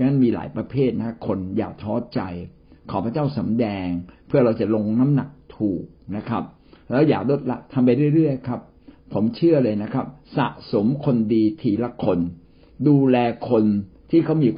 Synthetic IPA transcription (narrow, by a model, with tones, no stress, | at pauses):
na˦˥˨miː˧la̰ː˩˦jpɾa˧pʰeː˥˩t̪̚na˦˥kʰa˦˥kʰo˧nja̰ː˨˩k̚t̪ʰɔː˦˥t͡ɕa˧j | kʰɔː˩˦pʰa˧˦t͡ɕaː˥˩wsa˩˦mdɛː˧ŋpʰɯ˥˩əɾa˧wt͡ɕa˨˩lo˧ŋna˦˥mna˨˩k̚t̪ʰuː˨˩k̚na˦˥kʰa̰˦˥p̚ | lɛː˦˥wjaː˨˩k̚lo˦˥t̪̚la˦˥k̚t̪ʰa˧mp̬a˧jɾu˥˩ə˨jɾɯ˥˩əjkʰa˦˥p̚ʰː | o˩˦mt͡ɕʰɯ˥˩ɐlɤː˧jna˦˥kʰɾa˦˥p̚sa̰˨˩ʔso˩˦mkʰo˧ndiː˧t̪ʰiː˧la˦˥kʰo˧n | duː˧lɛː˧kʰo˧nt̪ʰiː˥˩kʰa˥˩wmiː˧